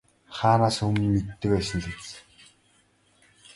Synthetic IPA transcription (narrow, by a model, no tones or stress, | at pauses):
χaːnaːsɵmːet̪ːɘ̆kpæːsə̆nɮĕt͡s